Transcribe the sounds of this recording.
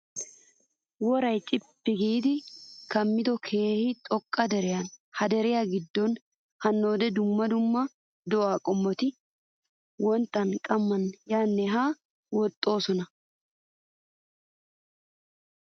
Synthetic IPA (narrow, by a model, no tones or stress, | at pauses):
wɔɾɐjt͡ʃʼɪbːɪɡiːd̪ɪkɐmːɪd̪ɔkʰe̞ːhɪt̪ʼɔkʼːɐd̪ɛɾɪjɐnhɐd̪ɛɾɪjaɡɪd̪ːɔn | hɐnːo̞ːd̪ɛd̪ʊmːɐd̪ʊmːɐ | d̪ɔʔaːkʼɔmːɔt̪ɪ | wɔnt̪ːɐnkʼɐmːɐnjaːnːɛɦaː | wɔt̪ʼːo̞ːsɔnɐ